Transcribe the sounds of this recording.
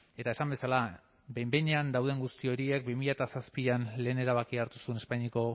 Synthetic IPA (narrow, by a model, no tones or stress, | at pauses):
e̞t̪aesambe̞sala | bembe̞jɲe̞and̪awð̞e̞ŋɡust̪io̞ɾie̞k̚bimiʎat̪asaspianle̞ːne̞ɾaβ̞akiaɾt̪usuene̞spaɲiko̞